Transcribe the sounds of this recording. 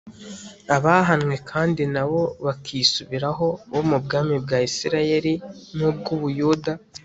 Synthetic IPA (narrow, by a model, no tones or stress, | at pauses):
aβaɦanŋwe̞kʰaːndinaβo̞βakʰisuβiɾaɦo̞βomubɡaːmibɡaisiɾaje̞ɾinub̚ɡuβujuːda